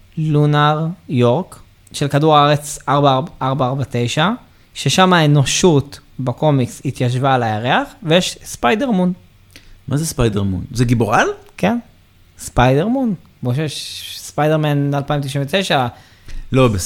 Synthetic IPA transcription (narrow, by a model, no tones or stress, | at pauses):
lunaʁjoʁk | ʃelkaduʁaaʁet͡saʁbaaʁbaaʁbat̪e̞jʃa | ʃe̞ʃamaeno̞ʃutbako̞mikshit̪jaʃ̬vaːlajaʁeaχvejeʃspajdeʁmun | mazespajdeʁmṵnzeɡiboʁalken | spajdeʁmun | boʃeeʃspajdeʁmanlalpaimt̪iʃinvet̪ejʃa | lobe